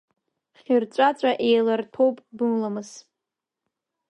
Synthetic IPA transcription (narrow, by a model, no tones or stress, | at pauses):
χʲirt͡ʃʷʼat͡sʷʼaʔe̞jlartʰowpʼdɨmlamɨz̥